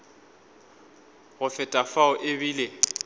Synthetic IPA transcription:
ɣʊfɪtʼafaʊʔebiːle

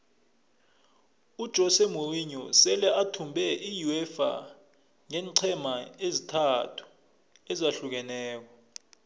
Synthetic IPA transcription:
ud̥ʒ̥ʱɔsɛmoriɲɔsɛlɛʔatʰumbʱɛʔijuɛfa̰ | ŋɛːnǀʰɛmaezitʰatʰu̥ | ɛzaɬuk̬ɛnɛːk̬ɔ

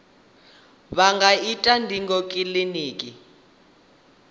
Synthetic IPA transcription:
βaŋɡaitʼandʱiŋɡɔkʼiliniːkʼi

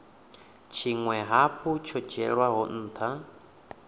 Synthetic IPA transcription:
t͡ʃʰiŋwɛɦaɸʰut͡ʃʰɔ̥d͡ʒɛɺwaɦɔn̩ːt̪ʰa

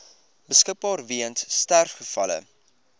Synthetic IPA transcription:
bəskək̚bɑːrviənsstærχəfɐlə̰

